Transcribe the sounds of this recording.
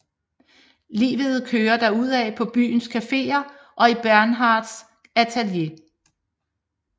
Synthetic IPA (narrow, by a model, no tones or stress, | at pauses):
lḭːʋəð̞̩ˠkʰøːɐd̥æɐuð̞̰ˠɛpʰɒ̽b̥y̰ːn̩skʰæfe̝̰ːɐ | ʔɒ̽ib̥æɐnɦɑ̈ːd̥s | æt͡sʰælje̝